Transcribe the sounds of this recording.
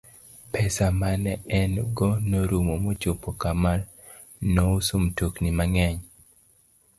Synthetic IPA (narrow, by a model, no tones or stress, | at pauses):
pɛsamanɛɛnɡɔnoɾumomot͡ʃopokamal | nousomtoknimaŋɛɲ